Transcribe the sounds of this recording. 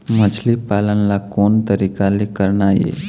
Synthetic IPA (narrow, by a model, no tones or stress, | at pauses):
mət͡ʃʰlipaːlənlakoːnt̪əɾiːkalikəɾnajḛː